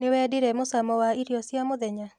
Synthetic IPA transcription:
nɪwɛdɪɾɛmʊsamɔwaiɾjɔsjamʊðɛɲa

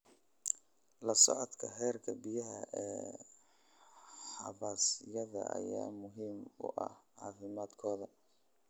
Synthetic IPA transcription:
lɐsɔʕɔd̪kʰɐħɛːrkʰɐbɪjɐɦɐɛː | ħɑβaːsɪjɐðɐ̰ʔɐ̰jaːmʊɦiːmʊ̰ʔɐhʕɑːfɪmaːd̪kʰɔːðɐ

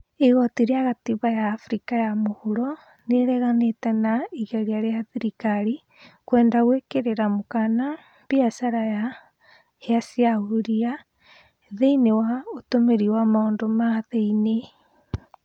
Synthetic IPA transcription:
eɣɔtiɾeaɣatiβajaːfɾikajamohoɾɔ | neɾɛɣanetɛnaiɣɛɾiaɾeaðiɾikaɾi | kwɛːndaɣwekeɾeɾamokana | b̥iasaɾaja | heasiaɣuɾia | ðeinewaotomeɾiwamaoːndomaðeine

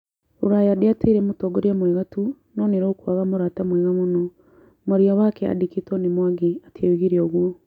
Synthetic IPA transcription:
uɾajadeateiɾɛmotɔɡoɾiamwɛɣatu | nɔneɾoːkwaɣamoɾatamwɛɣamonɔ | moɾiɔwakɛa̰diketɔnemwaɡiatʰewiɣiɾeoɣuo

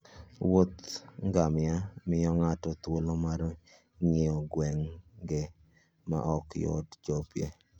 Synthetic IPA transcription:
wot̪ŋɡamɪamɪjɔŋatɔt̪wolomaɾ | ŋeɔɡwɛŋɡɪ | ma̰ʔɔkjɔ̰dd͡ʒɔpjḛ

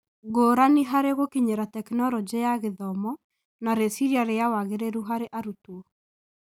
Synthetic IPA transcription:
ɡoːɾaniɦaɾeɣokiɲeɾatɛknɔɾɔd͡ʑejaɣeðɔmɔ | naɾesiɾiaɾeawaɣeɾeɾuɦaɾeʔaɾutuɔ

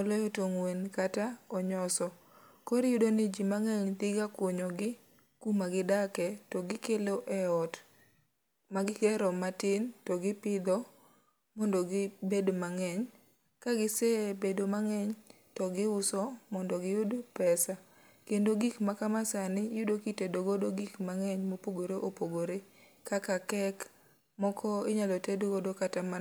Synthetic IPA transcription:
ɔlɔjɔtoŋwenkataɔɲɔsɔ | kɔɾjʊdonɪd͡ʒimaŋɛɲt̪ɪɡakwoɲɔɡɪ | kumaɡɪdakɛtɔɡɪkeloʔɛɔt | maɡɪkɛɾɔmatɪntɔɡɪpɪd̪ɔ | mɔndɔɡɪbedomaŋɛɲ | kaɡɪsɛbedomaŋɛɲ | tɔɡɪʊsɔmɔndɔɡɪjʊdopɛsa | kendoɡikmakamasanɪjʊdokitedoɡodoɡikmaŋɛɲmopoɡoɾeʔopoɡoɾe | kakakɛk | mɔkʰɔɪɲalɔtedoɡodokatama

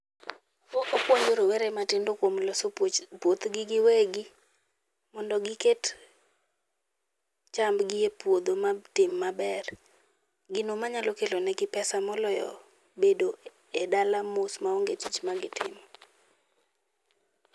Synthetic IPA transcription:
okopwoɲoɾowɛɾɛmatɪndokwomlɔspwot̪ɡɪɡɪwɛɡɪ | mɔndɔɡɪket | t͡ʃambɡɪjepwod̪omatɪmːabɛr | ɡɪnomaɲalokelonɛɡɪpɛsamɔlɔjɔ̰ | bedo | ɛdalamʊsmaoŋɡetit͡ʃmaɡɪtɪ̰mɔ

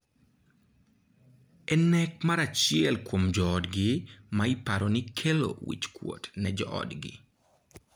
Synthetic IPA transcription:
ɛnɛk̚maɾat͡ʃɪɛlkwomd͡ʒɔːdɡɪmaipaɾonɪkʰelo̰wḭt͡ʃkwo̰tnɛd͡ʒɔ̰ʔɔ̰dɡɪ̰

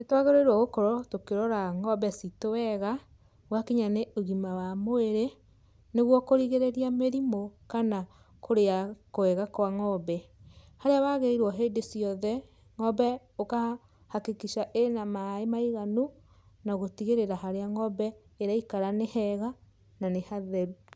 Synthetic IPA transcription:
netwaɣeɾɔiɾwɔɣokɔɾɔtokeɾɔɾaŋɔbɛsitowɛɣa | ɣwakiɲaneʔoɣimawamoeɾe | neɣwɔkoɾiɣeɾeɾiameɾimokana | kʰoɾeakoɛɣakwaŋɔbɛhaɾeaβaɣeiɾwɔɦeːdesiɔðɛ | ŋɔbɛ | oka | hakekiʃaʔenamaemaiɣanu | naɣotiɣeɾeɾaɦaɾeaŋɔbɛeɾaikaɾanehɛɣa | nanehaðɛɾu

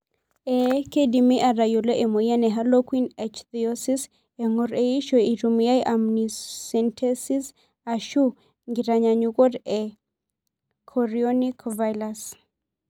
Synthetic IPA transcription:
ekedimiʔaɾajoloʔemojanɛɦalokwinɛt͡ʃt̪iɔsis | eŋoɾeiʃɔiɾumijajʔamnisɛntʰɛsis | aʃu | ŋɡiɾaɲaɲukɔdɛ | kʰɔɾiɔnikvajlas

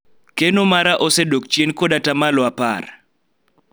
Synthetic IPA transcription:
kenomaɾaʔosedokt͡ʃjenkodatamalɔapa̰r

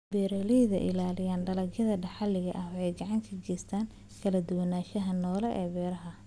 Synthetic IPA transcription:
bɛːɾɛlɛjðɐ̰ʔɪ̰laːlɪjaːnɖɐlɐɡjɐðɐɖɐħɑlɪɣɐʔɐɦɛjɡɑʕɑŋk̪ʰɐd͡ʒɛːst̪ʰaːn | kʰɐlɐd̪ʊwɐnaːʃɐɦɐnɔːlɛʔɛːbɛːɾɐɦɐ

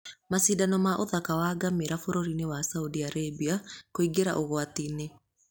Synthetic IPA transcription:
masidanɔmaʔoðakawaːɡameɾafoɾoɾinewasaudiaɾebiakoiɡeɾa̰ʔoɣwatine

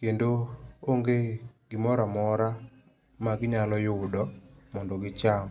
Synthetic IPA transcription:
kendooŋɡeɡɪmɔɾamɔɾa | maɡɪɲalɔjʊdɔmɔndɔɡɪt͡ʃam

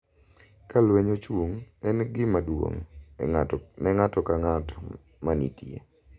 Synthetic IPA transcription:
kalweɲot͡ʃwuŋɛnɡɪmadwo̰ŋ | nɛŋatɔkaŋatɔ | manḭtiḛ

